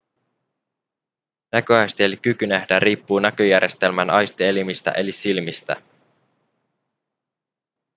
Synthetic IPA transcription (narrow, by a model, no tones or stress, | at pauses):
nækøɑjst̪ielik̟ykynæhdæriːpːuːnækøjæɾje̞st̪e̞lmænɑjst̪ielimist̪æ̰ʔe̞lisilmist̪æ̰